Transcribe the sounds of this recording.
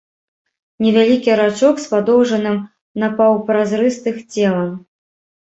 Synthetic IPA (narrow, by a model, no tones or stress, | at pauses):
nʲɛvʲalʲikʲiɾat͡ʂɔkspad̪ɔwʐɐnɨm | napawpɾazɾɨst̪ɨxt͡sʲɛlˠɐm